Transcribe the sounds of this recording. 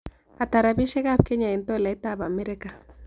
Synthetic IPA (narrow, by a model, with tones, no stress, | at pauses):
a˨t̪a˨ɾabi˦ʃe˦ɣab̚ke˦ɲa˨i˨nt̪o˦˨la˨i˦t̪aba˨me˦ɾe˦ka˨